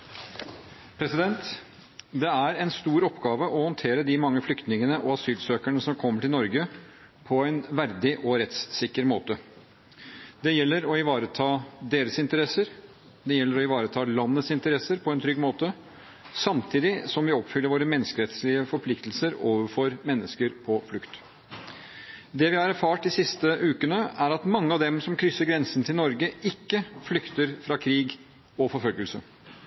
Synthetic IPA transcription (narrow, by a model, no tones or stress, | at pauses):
pʰɾɛsɪd̪ɛnt̪ | d̪ɛæɾɛnst̪uːɾɔpːɡɑːʋəʔɔhɔnt̪ʰeːɾəd̪ɪmɑŋːəflʏkt̪nɪŋənəʔɔɑsyːlsøːkæɳəsɔmkʰɔmːəʈʰɪlnɔɾɡə | pʰɔæɪnʋæɾd̪ɪʔɔɾɛt̪ssɪkːəɾmoːt̪ə | d̪ɛjɛlːəɾɔɪʋɑːɾət̪ʰɑːd̪eːɾəsɪnt̪əɾɛsəɾ | d̪ɛjɛlːəɾɔɪʋɑːɾət̪ʰɑːlɑnːət̪sɪnt̪əɾɛsəɾpʰɔɛnt̪ʰɾʏɡmoːt̪ə | sɑmt̪ʰiːd̪ɪsɔmʋɪɔpfʏləɾʋoːɾəmɛnːəskəɾɛt̪slɪəfɔɾpʰlɪkt̪l̩səɾoːʋəɾfɔɾmɛnːəskəɾpʰɔflʉkt̪ | d̪ɛʋɪhɑɾæɾfɑːʈ̚d̪ɪsɪst̪əʔʉːkənəʔæɾɑt̪mɑŋːəɑʋd̪ɛmsɔmkʰɾʏsːəɾɡɾɛnsən̩t̪ʰɪlnɔɾɡəʔɪkːəflʏkt̪əɾfɾɑkʰɾiːɡ | ɔfɔɾfœlɡəlsə